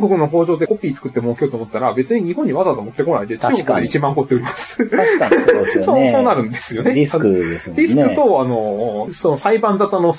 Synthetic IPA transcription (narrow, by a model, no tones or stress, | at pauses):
ɡo̞kɯ̟no̞ɦo̞ːʑo̞ːd̪e̞ko̞pʲiːt͡sɨ̥kɯ̟t̪ːe̞moːkʲiot̪omo̞t̪ːaɾabe̞t͡sɨɲ̟iɲ̟ihõ̞ɲ̟ːiβazazamo̞t̪ːe̞ko̞naid̪e̞t͡ɕɨːɡokd̪eit͡ɕibãŋko̞t̪ːeo̞ɾʲimasɨ̥akaoso̞ːnaɾɯ̟̃nd̪e̞sɨjo̞nesaɯesɾʲisɨkɯ̟t̪o̞ano̞so̞no̞saibãnd͡zat̪ano̞